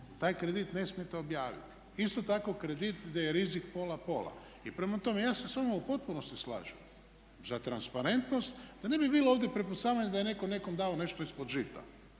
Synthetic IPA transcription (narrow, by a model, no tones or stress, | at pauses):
t̪aːjkɾed̪it̪ne̞smije̞t̪eo̞bjaːʋḭt̪i̥ | ist̪o̞t̪ako̞kɾed̪it̪d̪ajeɾizikpo̞lapo̞̰lˠa̰ | ipɾemat̪o̞me̞jaːsesamoupo̞t̪̚puno̞st̪isla̰ːʒɛm | zat̪ɾanspaɾe̞nt̪no̞st̪d̪̥ane̞bibiːlˠoːʋd̪jepɾepusaːʋaɲed̪ajene̞ko̞ne̞ko̞md̪aone̞ʃt̪oispod̪ʒit̪a̰